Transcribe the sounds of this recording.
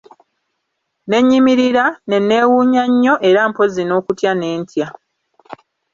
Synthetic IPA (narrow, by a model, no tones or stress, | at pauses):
ne̞ɲːimiɾiɾane̞ne̞ːwuɲaɲːo̞ʔe̞ɾampo̞zino̞ːkutjane̞ːntja